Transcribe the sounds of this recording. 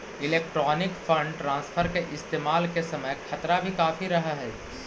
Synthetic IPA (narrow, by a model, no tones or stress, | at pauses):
ɪleːk̚ʈɾɔːnɪkfɐ̃ɳɖʈɾãːnsfʰəɾkeʔɪst̪eːmaːlkesɐməjkʰɐt̪ɾabʱikaːfiɾɐɦaɦɛː